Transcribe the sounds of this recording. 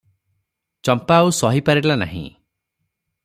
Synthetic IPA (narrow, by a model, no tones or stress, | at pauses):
t͡ʃɔmpaːusɔɦipaɾilana̰ɦḭ̃